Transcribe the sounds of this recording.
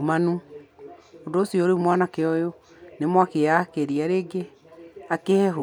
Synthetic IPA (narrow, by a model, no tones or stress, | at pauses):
manu | ondoːsiɔːɾemwanakeɔjo | nemwakeakeɾiaɾeɡe | akehɛɦo